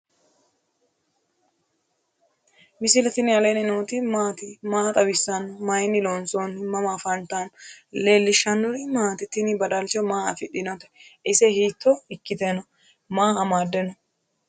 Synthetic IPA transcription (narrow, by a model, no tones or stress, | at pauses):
mɪsɪlɛt̪ɪnɪɐlenɪnoːt̪ɪmaːt̪ɪmaːt̪ʼɐbɪsːɐnːɔmɐjnɪlonsonmɐmafɐnt̪anleːlːɪʃɐnːɔɾɪmaːt̪ɪt̪ːɪnɪbɐd̪ɐlt͡ʃɔmaːɐ̰fɪᶑɪnɔt̪ɛ̥ʔɪsɛhiːt̪ːɔɪkːɪt̪ɛnɔ | maːɐmaːd̪ːɛnɔ